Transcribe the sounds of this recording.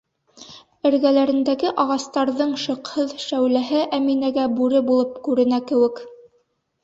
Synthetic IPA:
ɘ̆ɾɡælæɾɘ̆nd̪æɡɘʔɑʁɑst̪ɑɾðɤɴʃɤ̆qhɤðʃæwlæɦɘʔæminæɡæbʉɾɘbulˠɤpkʉɾɘ̆nækɘ̆wɘ̆k

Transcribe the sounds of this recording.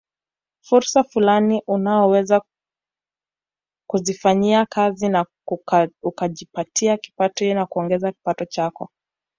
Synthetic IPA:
fuɾsafulaniʔunaɔwɛza | kuzifaɲiakazina | ukaʄipatʰiaki̥patɔnakuɔŋɡɛzaki̥patɔt͡ʃakɔ̰

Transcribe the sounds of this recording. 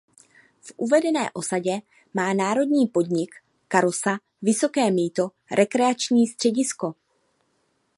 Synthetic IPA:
fʔuvɛdɛnɛ̰ːʔo̞saɟɛ | maːnaːɾo̞dɲiːpo̞dɲɪkː | aɾosa | vɪso̞kɛːmiːt̪o̞ | ɾʔɛkɾɛat͡ʃɲiːst̪r̥ɛɟɪsko̞

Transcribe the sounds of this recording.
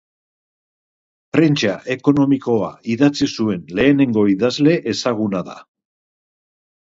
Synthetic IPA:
pɾe̞nt͡ʃaʔe̞ko̞no̞miko̞a̰iðat͡sisue̞nle̞ːne̞ŋɡo̞iðazle̞ʔesaɣ̞unaða̰

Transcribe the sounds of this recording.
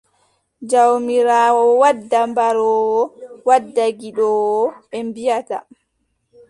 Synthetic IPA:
d͡ʒawmiɾaːwɔwadːambaɾɔːwɔwadːaɡiɗɔwɔɛmbijata̰

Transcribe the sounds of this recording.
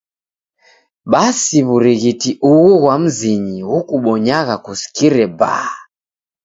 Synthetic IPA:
ɓasiβuɾiɣitiʔuɣuɣwam̩ziɲiɣukuɓɔɲaɣakusi̥kiɾɛba̰a

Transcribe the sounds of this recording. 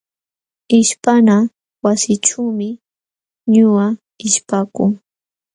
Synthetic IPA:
ɪʃpana | wasɪʈ͡ʂawmɪ | ɲʊa | ɪʃpakʊŋ

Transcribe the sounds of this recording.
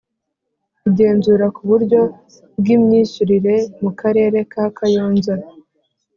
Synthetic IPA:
kuɟe̞ːnzuːɾakuβuɾɟo̞ | b̚ɡimɲiːʃuɾiɾe̞mukaɾe̞ːɾe̞kaːkʰajoːnzaɾ

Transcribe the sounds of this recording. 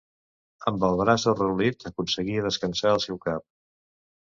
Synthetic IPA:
əmbəlˠðɾasurəulit̪əkunsəɣiəðəskənsaəlˠsɛwkap̚

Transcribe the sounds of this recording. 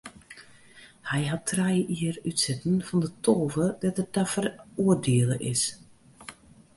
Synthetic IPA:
hɛjɦatʰːrɛjʔiərytsɪtən̩fɔndətʰoːvədɔtət̚dɔfəruərdeələʔɪs

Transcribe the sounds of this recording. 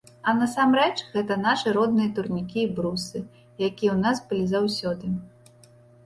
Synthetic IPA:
ɐnɐsamɾɛt͡ʂɣɛt̪ɐnaʂɨɾɔd̪̚nɨjɐt̪urnʲikʲiːbɾusɨ | jakʲijɛwnasbɨlʲizawsʲɔd̪ɨ

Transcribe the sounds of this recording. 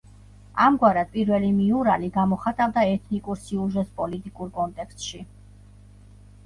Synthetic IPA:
amɡwaɾad̪̥̚pʼiɾvɛlimiuɾaliɡamɔχat̪ʼavd̪aɛt̪ʰnikʼuɾsiuʒɛt̪spʼɔlit̪ʼikʼuɾkʼɔnt̪ʼɛkst̪ʼʃi

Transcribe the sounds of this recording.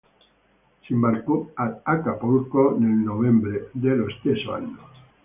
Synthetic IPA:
simbalkoaakapulkonelnovembɾed̪elost̪esoa̰nːo

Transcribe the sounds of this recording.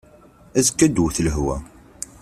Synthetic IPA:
æzəkːæd̪wθləɦwæ̰

